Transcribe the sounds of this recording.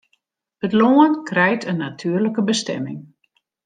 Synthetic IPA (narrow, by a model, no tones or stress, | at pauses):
ətloənkrɛjtʰənatʰyːərləkəbəstɛ̰mɪŋ